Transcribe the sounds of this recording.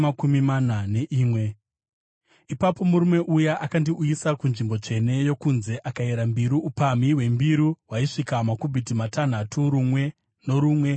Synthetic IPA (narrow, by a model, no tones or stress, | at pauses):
makumimanane̞ʔiːmwe̞ | ipapo̞muɾume̞ʔujaʔakandiʔuisakunʐimbo̞t͡ʂe̞ne̞jo̞kunze̞ʔakaeɾambiɾuupamiwe̞mbiɾuwaiʂikamakubʱit̬imatʰan̤atʰuɾumwe̞ | no̞ɾuːmwe̞